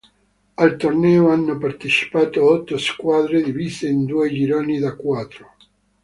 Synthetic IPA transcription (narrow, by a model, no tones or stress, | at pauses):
alt̪ornɛːoanːopaɾt̪et͡ʃi̥pat̪oaɔt̪ːoskwaðɾed̪ivizeind̪ued͡ʒiɾonid̪akwat̪ɾo